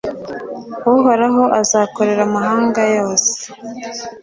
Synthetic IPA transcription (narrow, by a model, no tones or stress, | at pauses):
uɦoɾaɦo̞ʔazaːko̞ɾe̞ɾamaɦaːŋɡajo̞ːse̥